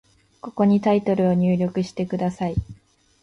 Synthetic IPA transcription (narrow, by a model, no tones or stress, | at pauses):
ko̞̥ko̞ɲ̟it̪ait̪o̞ɾɯ̟o̞ɲ̟ɨːɾʲo̞kɯ̟ɕi̥t̪e̞kɯ̟d̪asai